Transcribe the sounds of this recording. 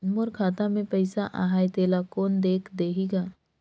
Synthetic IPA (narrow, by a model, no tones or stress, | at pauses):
nmʊɾkʰaːt̪amẽpɛɪsaʔa̰ɦaːjt̪eːlakoːnd̪eːkʰd̪eːɦiɡaː